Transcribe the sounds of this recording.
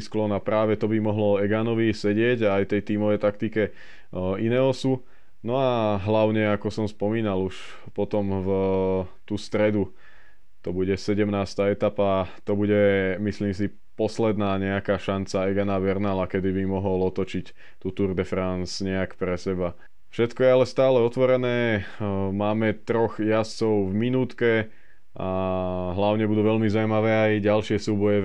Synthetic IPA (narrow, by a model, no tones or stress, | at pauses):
sklɔnapɾaːʋɛt̪ɔbimɔɦlɔɛɡanɔʋisɛɟɪɛɟaːjt̪ɛjt̪iːmɔʋɛjt̪akt̪ikɛ | inɛːɦɔsu | nɔaɦlaʊɲɛakɔsɔmspɔmiːnaluʃ | pɔt̪ɔmv | t̪uːst̪ɾɛd̪u | t̪ɔbuɟɛsɛɟɛmnaːst̪aːɛt̪apat̪ɔbuɟɛmisliːms̬i | pɔslɛd̪naːɲɛakaːʃant͡saɛɡanaʋɛɾnaːlakɛd̪ibimɔɦɔlɔt̪ɔt͡ʃic | t̪uːt̪uɾd̪ɛfɾansɲɛakpɾɛsɛba | fʃɛt̪kɔjɛalɛst̪aːlɛɔt̪ʋɔɾɛnɛː | maːmɛt̪ɾɔxjast͡sɔʊvminuːt̪kɛ | aɦlaʊɲɛbud̪uːʋɛʎmizaʊumaʋɛːajɟalʃɪɛsuːbɔjɛ